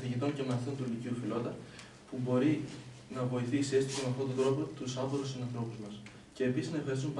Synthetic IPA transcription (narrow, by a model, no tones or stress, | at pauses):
θiʝit̪o̞ɲce̞meθont̪uiliciufilo̞t̪ɐ | pubo̞ɾi | nɐvo̞iθiːsest̪it̪ɐmeɐft̪o̞t̪ond̪ɾo̞po̞t̪usɐboɾosinɐnθɾo̞puzmɐs | ce̞ːpisiznɐefxɐɾisump